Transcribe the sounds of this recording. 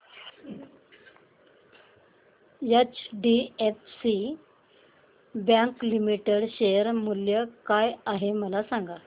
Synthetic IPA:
jət͡ɕɖiefsi | bjãŋklimiʈeɽɕejəɾmuljəkajaɦeməlasaŋɡa

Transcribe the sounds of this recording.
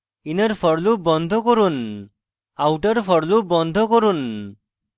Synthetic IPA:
inaɾpʰɔɽlubɔnd̪ʱɔkɔɾun | awʈaɾpʰɔɽlubɔnd̪ʱɔkɔɾun

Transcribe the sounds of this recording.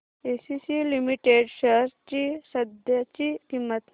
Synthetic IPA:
esisilimiʈeɖɕəɾt͡ɕisəd̪ʱjat͡ɕik̪imːət̪

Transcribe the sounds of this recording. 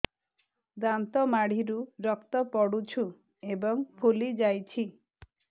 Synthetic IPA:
d̪ant̪ɔmaɽ̤iɾuɾɔkt̪ɔpɔɽut͡ʃʰu | ebɔŋpʰulid͡ʒajt͡ʃʰi

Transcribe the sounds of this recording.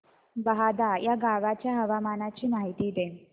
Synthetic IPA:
bəɦad̪ajaɡaʋat͡ɕjaɦəʋamanat͡ɕiːmaɦit̪iːd̪en

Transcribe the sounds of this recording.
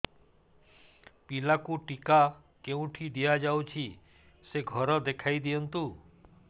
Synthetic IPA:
pilakuʈika | keũʈʰid̪ijad͡ʒawt͡ʃʰi | seɡʱɔɾɔd̪ekʰajd̪ijɔnt̪u

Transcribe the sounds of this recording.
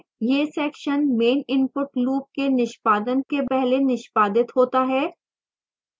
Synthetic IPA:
jeːsɛːkʃənmeːnɪ̃mpʊʈluːp̚kenɪʃpaːd̪ənkepɛɦlenɪʃpaːd̪ɪt̪ɦoːt̪aɦɛː

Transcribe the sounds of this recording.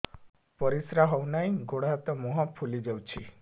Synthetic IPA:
pɔɾisɾaɦɔwnaj̃ɡoɽɦat̪ɔmɔɦɔ̃pʰulid͡ʒawt͡ʃʰi

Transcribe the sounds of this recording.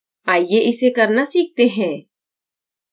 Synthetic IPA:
aːijeʔɪsekɐɾnasiːk̚t̪eɦɛ̃ː

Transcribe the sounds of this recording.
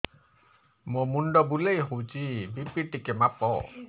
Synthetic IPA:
momunɖɔbulejɦowt͡ʃibipiʈikemapɔ̰

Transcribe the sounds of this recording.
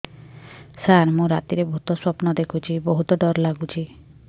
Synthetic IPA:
saɾmũɾat̪iɾebɔɦut̪ɔswɔpnɔd̪ekʰut͡ʃʰibɔɦut̪ɔɖɔɾlaɡut͡ʃʰi

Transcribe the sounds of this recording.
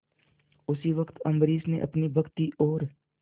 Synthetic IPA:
ʊsiʋəkt̪ə̃mbɾiːsnḛʔɐ̰pnibʱəɡt̪iʔoːɾ

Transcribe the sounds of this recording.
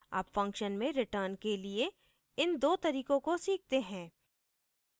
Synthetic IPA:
a̰ːpfɐ̃ŋkʃənmẽɾɪʈəːɾnkelie | ɪnd̪oːt̪ɐɾiːkõkosiːk̚t̪eɦɛ̃ː

